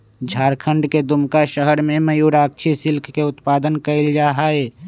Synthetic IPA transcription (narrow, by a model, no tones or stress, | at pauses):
d͡ʒʱaːɾkʰə̃ɳɖked̪ʊmkaʃəɦəɾmẽməjuːɾaːk̚t͡ʃʰisɪlkʰkeʊt̪paːd̪ənkəɪld͡ʒaːɦaeː